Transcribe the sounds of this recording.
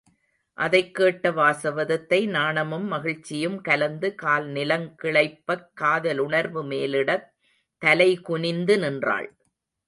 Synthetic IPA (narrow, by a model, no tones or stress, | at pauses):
ʔɐðɐɪkːeːʈːɐʋaːsɐʋɐðɐt̪ːɐɪnaːɳɐmɯmːɐɣɪɻt͡ʃːɪjɯmkɐlɐnd̪ɯkaːlnɪlɐŋkɪɭɐɪpːɐkːaːðɐlʊɳɐɾʋɯmeːlɪɽɐ | t̪ːɐlɐɪkʊɳɪnd̪ɯnɪndra̰ːɭ